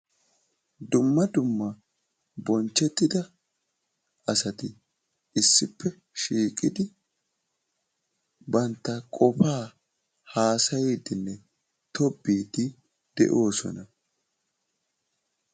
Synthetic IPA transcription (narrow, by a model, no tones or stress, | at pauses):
d̪ʊmːɐd̪ʊmːɐ | bɔnt͡ʃːɛt̪ːɪd̪ɐ | ɐsɐt̪ɪ | ɪsːɪpːɛ | ʃiːkʼɪd̪ɪ | bɐnt̪ːɐkʼɔfaː | haːsɐjeːd̪ɪnːɛ | t̪ʰɔbːiːd̪ɪ | d̪̥ɛ̰ʔo̞ːsɔ̰nɐ